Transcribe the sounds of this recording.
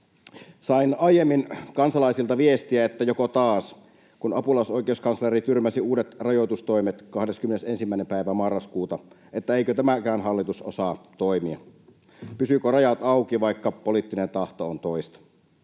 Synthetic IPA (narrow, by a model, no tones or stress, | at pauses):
sɑinɑijemːinkɑnsɑlɑisilt̪ɑʋiest̪iæet̪ːæjokot̪ɑːs | kunɑpulɑsoˑjkeuskɑnslerit̪yrmæsiuːdet̪rɑjot̪ust̪oimet̪kɑhdeskymːenesensimːæˑinempæˑiʋæmɑrːɑskuːt̪ɑ | ʔet̪ːæeikøt̪æmækæːnhɑlːit̪uso̰sɑːt̪oimiɑ̰ | pysykorɑjɑt̪ɑukiʋɑikːɑpolit̪ːinent̪ɑht̪oont̪oist̪ɑ̥